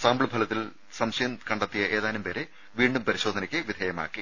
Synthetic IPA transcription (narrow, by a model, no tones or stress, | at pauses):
saːmbɭɨbʱɐlɐt̪ːil | sɐmɕɐjɐmkɐɳɖɐt̪ːijɐʔe̞ːðaːnumpeːɾe | ʋiːɳɖumpɐɾiɕoːd̪ʱɐnɐkʲːɨʋid̪ʱɐjɐma̰ːkːi